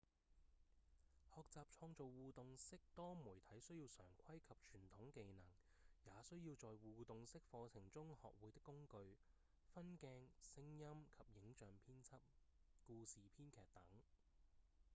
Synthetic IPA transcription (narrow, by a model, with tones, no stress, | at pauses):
hɔː˨˧k̚t͡saː˨p̚t͡ʃʰɔː˧ŋt͡so˨wwuː˨t̪ʊ˨ŋsɪ˥k̚t̪ɔː˥muː˨˩jt̪ʰɐ˨˥jsɵ˥ɥjiː˧wsœː˨˩ŋkʷʰɐ˥jkʰɐ˨p̚t͡ʃʰyː˨˩nt̪ʰʊ˨˥ŋke˨˧jnɐ˨˩ŋ | jaː˨˧sɵ˥ɥjiː˧wt͡sɔː˨jwuː˨t̪ʊ˨ŋsɪ˥k̚fɔː˧t͡sʰɪ˨˩ŋt͡sʊ˥ŋhɔ̰ː˨k̚wuː˨˥jt̪ɪ˥kːʊ˥ŋkɵ˧ɥ | fɐ˥nkɛː˧ŋsɪ˥ŋjɐ˥mkʰɐ˨p̚jɪ˨˥ŋt͡ʃœː˨ŋpʰiː˥nt͡sʰɐ˥p̚ | kuː˧siː˨pʰiː˥nkʰɛː˨k̚t̪ɐ˨˥ŋ